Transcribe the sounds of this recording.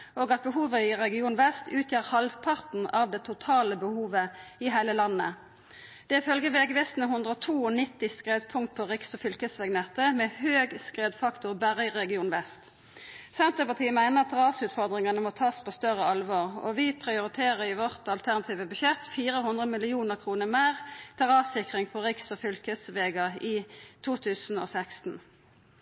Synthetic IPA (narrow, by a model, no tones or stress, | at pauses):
oːɡɑt̪̚bəɦuːʋəɪʁɛɡɪuːnʋɛst̪ʰʉːt̪ʰjiːʁhɑlʋpʰɑʁt̪n̩ɑʋd̪ɛːt̪ʰʊt̪ʰɑːləbəhuːʋəɪɦæɪləlɑnːə | d̪̥ɛɪfœlɡəʋeːɡʋɛst̪n̩əhʊnd̪ʁəɔt̪ʰuːɔnɪt̪ːɪskʁeːd̪pʰʊŋkt̪̚pʰɔʁɪksɔfʏlkəsʋɛɡnɛt̪ːəmɛhøːɡskʁeːd̪fɑkt̪ʊʁbæʁɪʁɛɡɪuːnʋɛst̪ | sɛnt̪ʁəpɑʁt̪ʰiːəmæɪnəʁɑt̪ʰʁɑːsʉːt̪fɔʁd̪ʁɪŋɑnəmɔt̪ʰɑːspʰoːst̪œʁəɑlʋɑːʁɔ̰ʋɪpʰʁɪʊʁɪt̪ʰeːʁəɪʋɔʁt̪ɑlt̪ʰæʁnɑt̪ʰiːʋəbʉʃɛt̪ːfiːʁəhʊnd̪ʁəmɪlɪuːnəʁkʰʁuːnəʁmeːʁt̪ʰɛʁɑːsɪkʁɪŋpʰɔʁɪksɔfʏlkəsʋeːɡɑiːt̪ʰuːt̪ʰʉːsn̩o̰ːsækst̪n̩